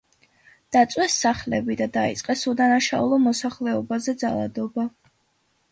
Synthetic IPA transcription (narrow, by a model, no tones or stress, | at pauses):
d̪̥at̪sʼwɛsːaχlɛbid̪ad̪aḭt̪sʼqʼɛsud̪anaʃaulˠɔmɔsaχlɛɔbazɛd̪zalˠa̰d̪ɔba